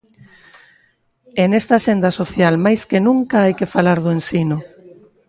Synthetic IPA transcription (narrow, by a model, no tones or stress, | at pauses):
enest̪aːʃend̪asoθjalmajskenũŋkaajkefalaɾðoensino